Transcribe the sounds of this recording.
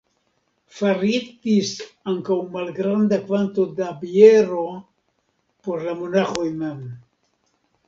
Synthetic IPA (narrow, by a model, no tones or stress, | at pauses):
farit̪isaŋkauŋmalɡɾand̪akwant̪od̪abjeɾo | poɾlamunaxojmem